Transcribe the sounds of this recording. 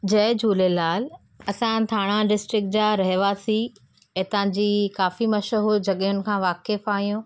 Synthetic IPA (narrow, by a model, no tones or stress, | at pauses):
d͡ʑɐɦɪd͡ʑuːlelaːl | ɐsãt̪ʰaːɽ̃ãɖɪsʈɾɪk̚ʈ̚d͡ʑaːɾɐɦɪʋasi | et̪ãd͡ʑiːkaːfimɐʃəɦod͡ʑɐɠjʊnɪ̆kʰãːʋaːkefaːɦijõː